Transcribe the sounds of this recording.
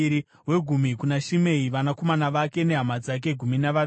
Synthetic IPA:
ɾi | we̞ɡʱumikunaʃime̞iʋanako̞manaʋake̞ne̞ɦamad͡zak̬e̞ɡʱuminaʋa

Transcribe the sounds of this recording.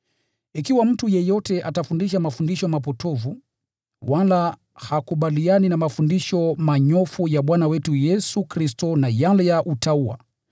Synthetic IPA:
ikiwam̩tujɛjɔtɛʔatafundiʃamafundiʃɔmapɔtɔvu | wala | hakuɓalianinamafundiʃɔmaɲɔfujaɓwanawɛtujɛsukɾistɔnajalɛjaʔutaua̰

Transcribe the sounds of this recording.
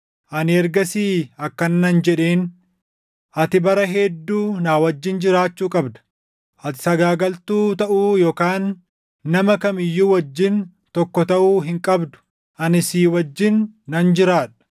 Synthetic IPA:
ʔɐnɪɛɾɡɐsiːɐkːɐnːɐnd͡ʒɛᶑeːn | ʔɐt̪ɪbɐɾɐɦɛd̪ːuːnaːwɐd͡ʒːɪnd͡ʒɪɾaːt͡ʃːuːkʼɐbd̪ɐ̥ | ʔɐt̪ɪ̥sɐɡaːɡɐlt̪uːt̪ɐʔuːjoːkaːnː | ɐmɐkɐmɪjːuːwɐd͡ʒːɪn | t̪ɔkːɔt̪ɐʔuːɦɪŋkʼɐbd̪ʊ̥ | ʔɐnɪsiːwɐd͡ʒːɪnːɐnd͡ʒɪɾaːᶑɐ̥

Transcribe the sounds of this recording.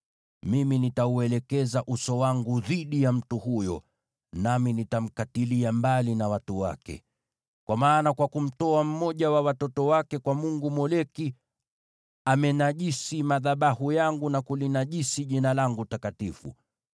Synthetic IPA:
miminitauɛlɛkɛzaʔusɔwaŋɡuðiɗijam̩tuhujɔ̰ | naminitam̩katiliambalinawatuwa̰kɛ̰ | kwamaːnakwakum̩tɔam̩mɔʄawawatɔtɔwakɛkwamuŋɡumɔlɛki | amɛnaʄisimaðaɓahujaŋɡunakulinaʄisiʄinalaŋɡutakatifṵ

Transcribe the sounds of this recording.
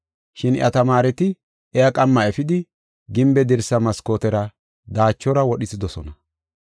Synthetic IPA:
ʃɪnɪ̰ʔɐ̰t̪ɐmaːɾɛt̪ɪ | ɛjakʼɐmːɐɛfɪd̪ɪ | ɡɪmbɛd̪ɪɾsɐmɐskoːt̪ɛɾɐ | d̪aːt͡ʃːɔɾɐwɔɗɪzɪd̪ɔsɔ̰nɐ

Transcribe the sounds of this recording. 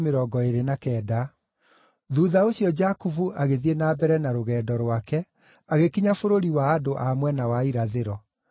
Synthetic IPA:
meɾɔɡɔeɾenakɛːda | ðuːðaoɕiɔd͡ʒakuvuʔaɣeðienabɛɾɛnaɾoɣɛːdɔɾwakɛ | aɣekiɲafoɾoɾiwaːdoʔamwɛnawaiɾaðeɾɔ

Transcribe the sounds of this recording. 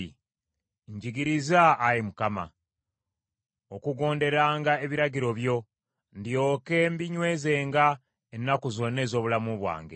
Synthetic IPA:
ɲɟiɡiɾizaːjemukama̰ | okuɡo̞ːnde̞ɾaːŋɡae̞βiɾaɟiɾo̞βjo̞ | ndio̞ːke̞mbiɲwe̞ːze̞ːŋɡa | enːakuzo̞nːe̞ːzo̞ːβulamuβwa̰ːŋɡḛ

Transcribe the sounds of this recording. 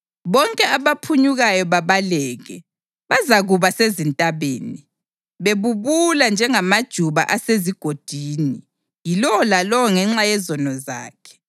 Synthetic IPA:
βɔŋkʼɛaβapʰuɲuɣajɔβaβalɛːɣɛ | βazaɣuβasezintʼaβeːni | βeβuβuland͡ʒʱɛŋamad̥ʒ̥ʱuβa̰ʔaseziɡ̥ʱod̥ʱiːni | jilɔɔlalɔwɔŋɛŋ͡ǁajɛzɔnɔza̰ːkʰɛ̥

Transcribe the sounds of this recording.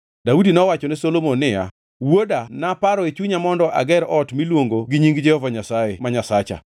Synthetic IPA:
daudinɔwat͡ʃɔnɪsolomonːɪja̰ | wodanapaɾɔet͡ʃuɲamɔndɔʔa̰ɡɛɾɔtmilwoŋɡoɡiɲiŋɡd͡ʒɛhɔvaɲasajemaɲasat͡ʃa̰

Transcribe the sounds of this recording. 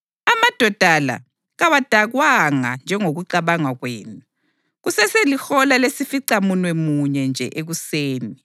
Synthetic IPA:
amad̥ʱɔd̥ʱala̰ | ɣawad̥ʱaɣwaŋand͡ʒʱɛŋoɣuǀaβaŋaɣweːnu | ɣusɛselixɔlalesifiǀamunwɛmuɲɛnd͡ʒʱɛ̰ʔeɣuseːni

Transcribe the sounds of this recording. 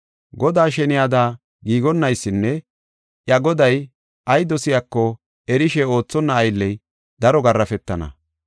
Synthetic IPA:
ɡɔd̪aːʃɛnɪjaːd̪aː | ɡiːɡɔnːɐjsːɪnːɛ | ʔjɐɡɔd̪ɐj | ʔɐjd̪ɔsɪjakːɔ | ɛɾɪʃɛo̞ːt͡sːɔnːɐːjlːɛj | d̪ɐɾɔɡɐrːɐfɛt̪ːɐnɐ̰

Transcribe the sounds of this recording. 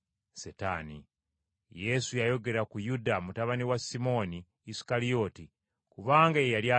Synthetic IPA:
seta̰nḭ | je̞sujajo̞ɡe̞ɾakujudamutaβaniwasimo̞niː | si̥kalio̞ti | kuβaːŋɡaejalja

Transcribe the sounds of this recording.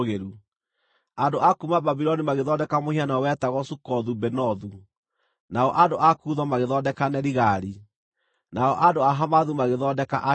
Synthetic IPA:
ɣeɾu | andoʔakumababiɾɔnimaɣeðɔdɛkamohianawɛtaɣɔsukɔðubɛnɔðu | naɔʔadoʔakuːðɔmaɣeðɔdɛkanɛɾiɣaɾi | naɔʔadoaɦamaðumaɣeðɔːdɛkaʔa

